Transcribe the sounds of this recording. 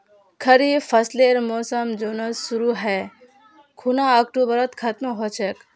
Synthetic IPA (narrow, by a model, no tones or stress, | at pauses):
kʰɐɾifʰɐsleɾmoːsəmd͡ʒoːnɐsːuɾuɦɛː | kʰunaːɐk̚ʈubɐɾət̪kʰɐt̪mɦoːt͡ʃʰek